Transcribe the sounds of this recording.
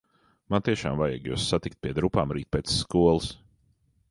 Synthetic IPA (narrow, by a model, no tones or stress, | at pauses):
mant̪iɛʃa̰ːmvajɛ̰ɡjṵːsːat̪ikt̪̚pʲiɛd̪ɾupaːmɾiːt̪̚pʲɛt̪sskuɔlˠɨs